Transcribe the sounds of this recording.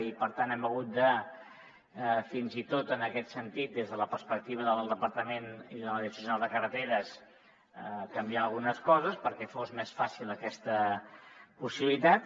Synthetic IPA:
ipəɾt̪anɛməɣ̞ut̪̚d̪ə | finzit̪ot̪ənəkɛt̪sənt̪it̪̚d̪ezðələpəɾspək̚t̪iβ̞əðəlˠd̪əpəɾt̪əmeniðələðisəsunalˠd̪əkərət̪eɾəs | əkəmbialˠɣunəskɔzəspəɾkɛfozmesfasilˠəkɛst̪ə | pusiβilit̪at̪

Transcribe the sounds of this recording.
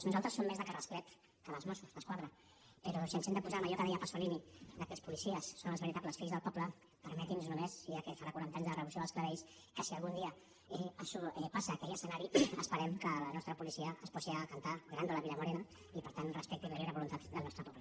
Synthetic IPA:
znuzalˠt̪ɾəsːomːezðəkarəsklɛt̪ | kəβəlˠzmɔsuzðəskwaðɾə | pəɾɔsənsɛnd̪əpuzaməʒɔkəðɛjəpəsulinid̪əkɛspulisiəsːonəlzβəɾit̪apləsfiʎzðəlˠpɔblə | pəɾmɛt̪inznumeziakɛfaɾakwuɾant̪aɲzðərəβusioəlskləβɛjs | kəsiəlˠɣund̪iə | ɛasuɛpasaːkɛʎəsənaɾiəspəɾɛmkələnɔst̪ɾəpulisiəːspɔsiakant̪aɣɾand̪uləβiləmuɾɛnə | ipəɾt̪anrəspɛk̚t̪iβəɾoɾəβulunt̪at̪d̪əlˠnɔst̪ɾəpɔplə

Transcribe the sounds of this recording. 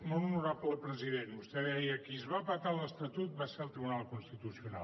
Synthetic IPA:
nonnuɾapəpɾəziðenbust̪ɛðɛjəkizβapat̪aləst̪ət̪ut̪̚baseəlˠt̪ɾiβunalˠkunst̪it̪usiuna̰l

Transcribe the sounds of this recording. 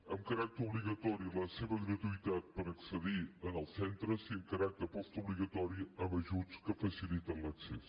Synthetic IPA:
əmkɐɾak̚t̪əɾobliɣət̪ɔɾilɐseβəɡɾət̪uit̪at̪̚pəɾəksəd̪iənɐlˠsɛnt̪ɾəsiəmkɐɾak̚t̪əɾpɔst̪obliɣət̪ɔɾiəmɐʒuzkəfəsilit̪ənlɐkses

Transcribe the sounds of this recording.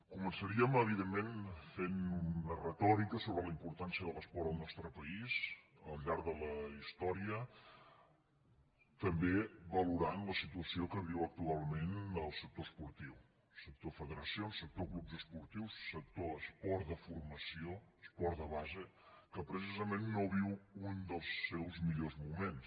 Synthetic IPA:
kumənsəɾiəməβiðemːenfenunərət̪ɔɾikəsoβɾələimpuɾt̪ansiəðəlˠəspɔɾəlˠnɔst̪ɾəpəiz | əlˠʎaɾðələist̪ɔɾiə | t̪əmbeβəluɾanləsit̪uəsiokəβiwək̚t̪ualˠmenəlˠsək̚t̪oəspuɾt̪iw | sək̚t̪ofəðəɾəsionsːək̚t̪oɣlubzəspuɾt̪iwsːək̚t̪oəspɔɾðəfurməsioəspɔɾd̪əβazə | kəpɾəsizəmenːoβ̞iwund̪əlˠsːɛwzmiʎozmumens

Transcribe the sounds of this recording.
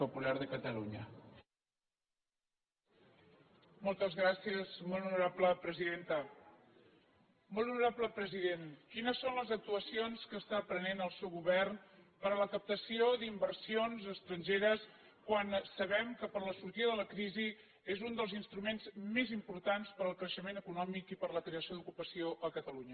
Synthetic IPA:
upulaɾðəkət̪əluɲə̰ | mɔlˠt̪əzɣɾasiəzmolunuɾapləpɾəziðent̪ə | molˠunuɾapləpɾəziðenkinəsːonləzək̚t̪uəsionskəst̪apɾənenəlˠsɛwɣuβɛrnpəɾələkəp̚t̪əsiod̪imbərsionzəst̪ɾəɲʲʒeɾəs | kwansəβɛmkəpəɾləsuɾt̪iðəðələkɾizi | ezund̪əlˠzinst̪ɾumenzmezimpuɾt̪anspəɾəlˠkɾəʃəmenəkunɔmikipəɾləkɾeəsiod̪ukupəsioʔəkət̪əluɲə

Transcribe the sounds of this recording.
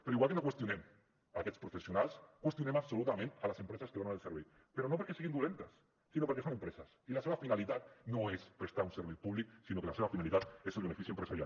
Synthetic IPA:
peɾoiɣwalk̬enokwest̪jonem | akespɾofesjonalskwest̪jonemaβsolut̪amẽnt̪alasempɾesaskeanaelseɾβej | peɾonop̬oɾkeseɣend̪ulent̪asː | inopaɾkesonempɾesasilaseβafinalit̪at̪noespɾest̪aɾunseɾβepuβliksinokelaseβafinalit̪at̪eselβenefiθjuempɾesaɾja̰l

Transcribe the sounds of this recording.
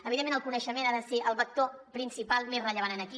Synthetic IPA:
əβiðemeñəlˠkunəʃəmenaðəseʔəlˠβək̚t̪o | pɾinsipalˠmezrəʎəβ̞anənəki

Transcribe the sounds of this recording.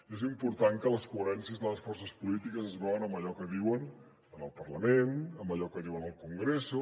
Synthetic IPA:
iezimpuɾt̪aŋkələskuəɾɛnsiəzðələsfɔrsəspulit̪ikəzəzβɛwənəmbəʎɔkəðiwən | ənəlˠpərləmenəmbəʎɔkəðiwənəlˠkuŋɡɾesu

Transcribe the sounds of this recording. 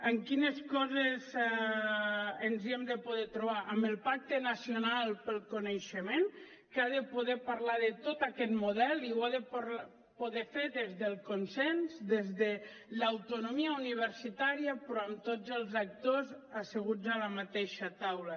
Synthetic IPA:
əŋkineskɔzez | enziemd̪epoð̞ɛt̪ɾoβ̞aʔəmbəlˠpak̚t̪enasionalˠpəlˠkoneʃemen | kaðepoðɛpaɾlaðet̪ot̪akɛt̪moðɛliwaðep | poðɛfeðezðelˠkonsɛnzd̪ezðe | lːwt̪unomiauniβ̞əɾsit̪aɾiapɾɔamt̪od͡zəlˠzak̚t̪ozəseɣ̞ud͡zalamat̪eʃat̪awla

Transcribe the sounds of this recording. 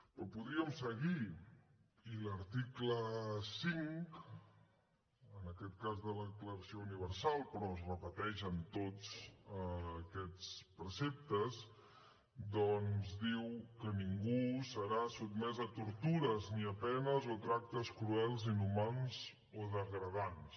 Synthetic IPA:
opuðɾiəmsəɣi | iləɾt̪ikləsiŋk | ənəkɛt̪̚kazðələðəkləɾəsiouniβ̞əɾsalˠpɾɔəzrəpət̪ɛʃənt̪ot͡səːkɛt͡spɾəsep̚t̪əz | d̪ɔnzd̪iwkəniŋɡusəɾasub̪mɛzət̪uɾt̪uɾəzniəpɛnəzot̪ɾak̚t̪əskɾuɛlˠzinumanz | oðəɣɾəðans

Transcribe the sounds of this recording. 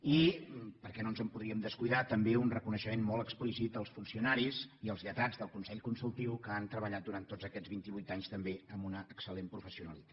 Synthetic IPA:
ipəɾkɛnonzəmpuðɾiəmd̪əskujðat̪əmbeunrəkunəʃəmenmɔlˠəksplisit̪̚əlˠsfunsiunaɾiziəlˠzʎət̪ad͡zðəlˠkunsɛʎkunsulˠt̪iwkəant̪ɾəβəʎat̪̚d̪uɾant̪ːozəkɛzβint̪iβujt̪aɲst̪əmbeəmunəʔːksəlempɾufəsiunəlit̪ḁt̪

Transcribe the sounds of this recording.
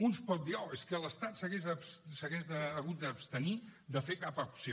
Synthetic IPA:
unspɔt̪̚d̪iɔeskəələst̪at̪səɣezəpssəɣezd̪əːɣut̪̚d̪əːpst̪ənid̪əfekapəpsio

